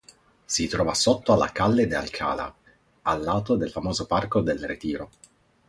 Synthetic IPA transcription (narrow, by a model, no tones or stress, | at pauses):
sit̪ɾɔːvasot̪ːoalːa̰kalːed̪ea̰lkʰa̰ːla̰ | alːaːt̪od̪elfamɔːzoparkod̪elret̪iːɾo